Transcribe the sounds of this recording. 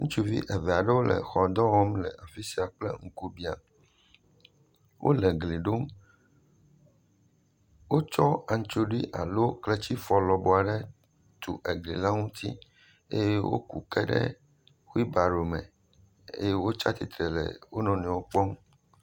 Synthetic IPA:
ŋũ˦t͡ʃu˦vḭ˦ʔɛ˨vɛ˨a˨ɖɛ˦wo˦lʔɛ̰˨xɔ˨d̪ɔ˦wɔ˦mlɛ̰˨ʔa˨fi˦si˨a˨k͡plɛ˦ŋ̩˦ku˦bi˨a̰˨ | wʔo̰˦lɛ˨ɡli˨ɖo˦m | wo˦t͡ʃɔ˦a˨ŋ̩˦t͡ʃo˦ɖi˦ʔa̰˨lo˦klɛ˦t͡ɕi˦fɔ˨lɔ˨bo˨a˨ɖɛ˦ | t̪ʰṵ˨ʔe˨ɡlḭ˨la˦ŋũ˦t̪ḭ˦ | e˦je˦wʔo̰˦kṵ˨kɛ˦ɖɛ̰˦ | xi˦ba˨ɖo˨mɛ̰̃˨ | ḛ˦je˦wo˦t͡ʃa̰˦t̪i˨t̪ɾɛ˨lɛ̰˨wo˦nɔ̃˨nɛ̃˨wo˦k͡pɔ˦m

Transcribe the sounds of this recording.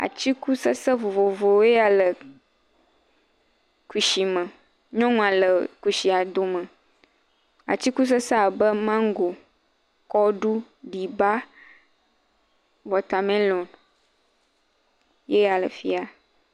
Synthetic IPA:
a̰˨t͡ɕi˦ku˦sə˦sə˦vo˨vo˨vo˨we˦ja˨lə˨ | ku˨ʃi˨mə̃˨ | ɲɔ̃˦ŋũ˨ã˨lə˨ku˨ʃi˨a˨d̪o˨mə̃˨ | a̰˨t͡ɕi˦ku˦s̬ə˦sa˦˨bə˦mã˦ŋ˦ɡo˨ | kɔ˦ɖu˦ | ɖi˨ba˦ | vɔ˨t̪a˨mẽ˦lo˨n | je˦a˨lə̰˨fi˦a˨

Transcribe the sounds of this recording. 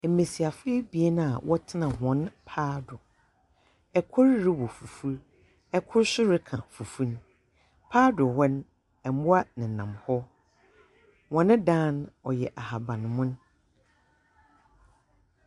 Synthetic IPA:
e˨mẽ˨si˨a˨fe˦bi˨e˦nã˦a˨wʔɔ˦tʰɪ˦nã˨ɦɔ̃˨˦npʰaː˦dʊ˨ | ɛ˨kʰʊ˦ɾɾɪ˦wɔ˨fu˨fu˦ɾ | ɛ˦kʰʊ˦ɾsʊ˦ɾɪ˦kʰã̰˨fu˨fu˦ñ˦ | pʰaː˦dʊ˨wɛ˦n˦ | ɛ˨˦mʊ̃˦a˦nɪ̃˨nã˨mhɔ˦ | wɔ̃˨nɪ̃˦dãː˦nɔ˨jɛ˨ʔa˨ha˨bã˨nɪ̃˨mʊ̃˦n˦

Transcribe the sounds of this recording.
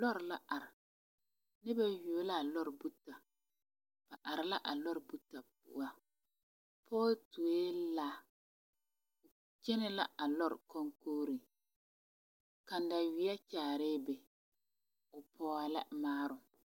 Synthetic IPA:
lɔ˦ɾla˦ʔa˨ɾɪ˨ | nɪ˦ba˦joː˨˦la˦˨lɔ˦ɾbu˦ta˨ | b̥a˨ʔa˨ɾɪ˨la˦ʔa˨lɔ˦ɾbu˦ta˨p̚ʊ̰˦a˦ | pʰɔː˦tu˨e˦laː˦ | ʊ˨ | t͡ʃe˦nɛ˦la̰˦ʔa˨lɔ˦ɾkɔ˦ŋkoː˦ɾi˨ | ka˨n˦da˨wi˨˦ɛ˦t͡ʃaː˨ɾɪː˦be˨ | ʊ˨pʰɔː˦a˨lɛ̰˦maː˦ɾʊ˨

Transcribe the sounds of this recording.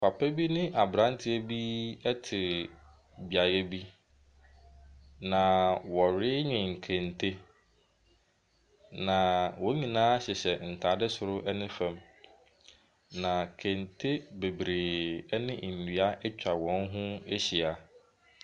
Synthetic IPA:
pʰa˨pʰɛ˦bi˦nɪ̃˦ʔa˨bɾã˦n˦tʰɪ˦æ˦bi˦ɛ˦tʰɪ˨ | bi˨a˨jɛ˦bi˦ | nã˨wɔ˨ɾɪ˦ɲɪ̃˨ŋ̩˨kʰɛ̃˨ntʰe˦ | nã˨wɔ˨˦ɲĩ˨nãː˦ɕɛ˨ɕɛ˨n̩˨tʰaː˨˦dɛ˦sʊ˨ɾʊ˦ʔɛ˦nɪ̃˦fɛ̃˨m | nã˨kʰɛ̃˨ntʰe˦be˨bɾeː˨˦nɪ̃˦˨n̩ː˨i˨a˦ʔɛ˦t͡ɕᶣa˨wɔ̃˨˦n˦ɦʊ̃˦e˦ɕi˨a˨

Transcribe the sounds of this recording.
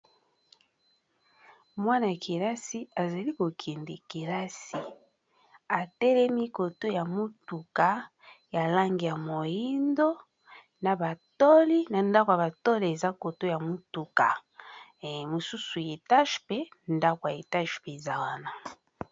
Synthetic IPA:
mwa˦na˨kʰi˨la˦si˦a˨za˨li˦ko˨kʰi˨ndi˨ki˨la˦si˨ | a˨tɛ˦lɛ˦mi˦ko˨to˦ja˨mo˦tu˨ka˨ | ja˨la˦ŋɡi˨ja˨mo˨ji˦ndo˦ | na˨ba˨tɔ˦li˦na˨nda˦ko˨ja˨ba˨to˦li˨e˨za˦ko˨to˦ja˨mu˦tu˨ka̰˨ | mo˨su˦su˨je˨ta˦ʃpe˦nda˦ko˨a˨e˨ta˦ʃpe˨za˦wa˦na˨

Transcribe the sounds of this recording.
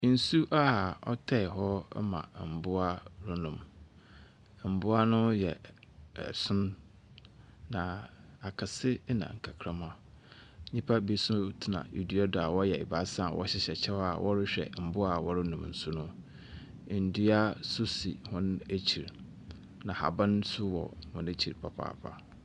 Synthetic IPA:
n̩˨su˦ʔa˦˨ɔ̰˦tʰɛ˦˨ɦɔ˦mã̰˨m̩˨bʊ˦a˦ɾʊ˦nʊ̃˨m˨ | m̩˨bʊ˦a˦nʊ̃˦jɛ̰˨ | sʊ̃˦n | nã˨a˨kʰa˨sɪ˦nã̰˨ŋ̩˨kʰa˨kʰɾã˦mã˦ | ɲĩ˦pʰa˦bi˦sʊ̃˦tʰɪ˨nã̰˨jḭ˨di˦ɔ˦da˨wɔ˦jɛ˨ɪ˨ba˦sã˦˨wʔɔ̰˦ɕɪ˦ɕɛ˨t͡ɕʰɛ˦wa˨wɔ˦ɾɪ˦ɕᶣɛ̰˨m̩˨bʊ˦a˨wɔ˦ɾɪ˦nʊ̃˨mn̩˨sʊ˦nʊ̃˦˨ | n̩˨di˦a˦sʊ˦sḭ˨hʊ̃˦næ˦t͡ɕʰi˨ɾ | nã˨ha̰˨bã˦nsʊ˦wɔ̰˨mʊ̃˨ne˦t͡ɕʰḭ˨ɾpʰa˨pʰa̰ː˨pʰa̰˦

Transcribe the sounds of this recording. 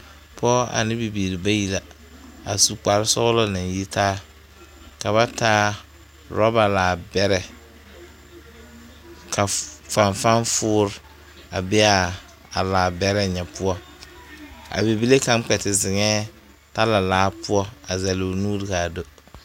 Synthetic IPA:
pɔ˦a̰˨nɪ˦bi˨biː˨ɾi˨ba˦ji˦la˨ | a˨su˨k͡pa˨ɾɪ˦sʊ˦ɣʊ˦lɔ˦na˨n˦ji˦taː˦ | ka˨βa˦taː˦ | ɾɔ˦ba˨laː˨bɛ˦ɾɛ˨ | kʰa˨fa˨ɱfa˦nfʊː˦ɾ | a˨bɛ˦a˦ | a˨laː˨bɛ˦ɾɛ˦ɲɛ˨pʊ˦ɔ˦ | a̰˨bi˨bi˦le˦ka˦m˦k͡pɛ˨tɪ˨zɪ˨ŋɛː˦ | ta˦la˨laː˦pʊ˦ɔ˦a˨za˨lo˨nuː˦ɾɪ˦ka˨do˦

